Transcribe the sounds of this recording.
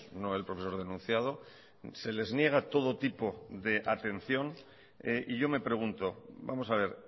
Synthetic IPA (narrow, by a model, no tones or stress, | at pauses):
no̞elpɾofe̞so̞ɾð̞e̞nũnθjað̞o̞ | se̞le̞znje̞ɣ̞at̪o̞ð̞o̞t̪ipo̞ðe̞ʔat̪e̞n̟θjo̞n | eʔiʝo̞me̞pɾe̞ɣ̞unt̪o̞bamo̞saβ̞e̞ɾ